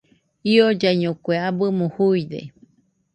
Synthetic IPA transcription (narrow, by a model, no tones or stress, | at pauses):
iod͡ʒaiɲõkʷeabɨmõhuid̪ḛ